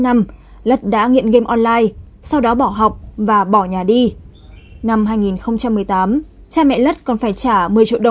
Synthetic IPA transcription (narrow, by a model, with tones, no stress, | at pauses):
na˧m | lə˦˥t̚ɗa̰ː˧˥ŋḭ˧˨ənɣe˧mʔɔ˧nlaː˧j | sa˧wɗɔ˨˦ɓɔ˧˩ɦa˨˩wk͡p̚vaː˨˩ɓɔ˧˩ɲaː˨˩ɗi˧ | na˧mɦaː˧jŋi˨˩nxə˧wŋ͡mt͡ɕa˧mːɨ˨˩əjt̪aː˨˦m | t͡ɕaː˧mɛ̰˧˨lə˦˥t̚kɔ˨˩nfaː˧˩jt͡ɕaː˧˩mɨ˨˩əjt͡ɕḭ˧˨ɗə˨˩˨w